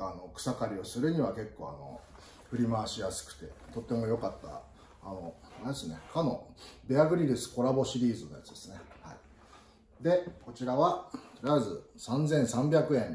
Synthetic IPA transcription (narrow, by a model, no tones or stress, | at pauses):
ano̞kɯ̟̥sakaɾʲio̞sɨɾɯ̟ɲ̟iβake̞kːo̞ːa̰no̞̰ | ɸɯ̟ɾʲimaːɕijasɨ̥kɯ̟̥t̪e̞t̪o̞t̪ːe̞mo̞jo̞kat̪ːa̰ː | no̞ed̪esɨne̞kʰano̞beaɡɯ̟ɾʲiɾɯ̟sɨ̥ko̞ɾabo̞ɕiɾʲiːzɨno̞ja̰t͡sɨd̪e̞̥sɨ̥ne̞hai | d̪e̞ko̞t͡ɕiɾaβat̪o̞ɾʲiazɨsãnd͡zẽ̞ɰ̃sãmbʲjakɯ̟ẽ̞n